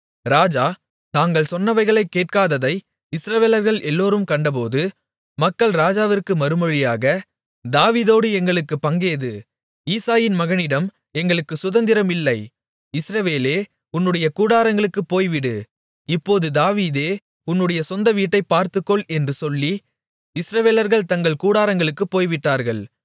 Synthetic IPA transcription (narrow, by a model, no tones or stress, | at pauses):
ɾaːd͡ʒaː | t̪aːŋɡɐɭsɔnːɐʋɐɪɣɐɭɐɪkːeːʈ̚kaːðɐðɐɪ | ɪsɾɐʋeːlɐɾɣɐɭɛlːoːɾɯmkɐɳɖɐp̬oːðɯ | mɐkːɐɭɾaːd͡ʒaːʋɪrkɯmɐɾɯmɔɻɪjaːɣɐ | d̪aːʋiːðoːɽɯɛŋɡɐɭɯkːɯpːɐŋɡeːðɯ | iːsaːjɪnmɐɣɐnɪɽɐm | ɛŋɡɐɭɯkːɯsʊðɐnd̪ɪɾɐmɪlːɐɪ | ɪsɾɐʋeːleː | ʊnːɯɽɐjɐkuːɽaːɾɐŋɡɐɭɯkːɯpːoːjʋɪɽɯ | ɪpːoːðɯd̪aːʋiːðeː | ʊnːɯɽɐjɐsɔnd̪ɐʋiːʈːɐɪpːaːɾt̪ɯkːɔɭɛndrɯsɔlːi | ɪsɾɐʋeːlɐɾɣɐɭt̪ɐŋɡɐɭkuːɽaːɾɐŋɡɐɭɯkːɯpːoːjʋɪʈːaːɾɣɐɭ